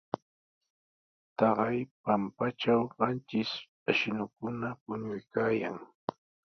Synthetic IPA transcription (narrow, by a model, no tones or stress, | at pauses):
t̪ɑɢɑjpampat͡ʃawɢɑnt͡ʃɪs | aʃɪnʊkʊnapʊɲʊjkaːja̰ŋ